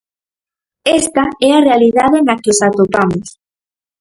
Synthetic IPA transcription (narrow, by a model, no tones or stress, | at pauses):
est̪aɛarealiðaðenakosat̪opamos